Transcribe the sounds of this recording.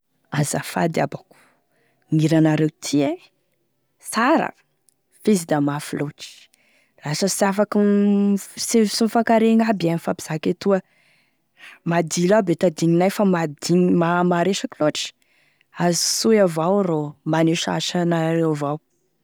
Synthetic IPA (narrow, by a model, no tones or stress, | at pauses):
azafa̰d̪iabaku̥ | ŋiɾanaɾewt̪ʰie | saɾə̰ | fezid̪amafiloʈ͡ʂi̥ | lasəsafaku | sesunfakaɾeŋabianifapi̥z̥aket̪uə | mad̪ilabet̪ad̪iŋinajfamad̪iŋmamaɾeʃakiloʈ͡ʂi̥ | azi̥sujavawromaneʃa̰ʃanaɾewvaw